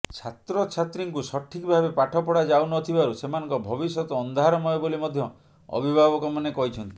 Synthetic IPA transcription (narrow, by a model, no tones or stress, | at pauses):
t͡ʃʰat̪ɾɔt͡ʃʰat̪ɾiŋkusɔʈʰːikbʱabepaʈʰɔpɔɽad͡ʒawnɔt̪ʰibaɾusemanɔ̃ŋkɔbʱɔbisɔt̪ɔːnd̪ʱaɾɔmɔebolimɔd̪ʱjɔ | ɔ̰bʱibʱabɔkɔmanekɔɦit͡ʃʰɔnt̪i̥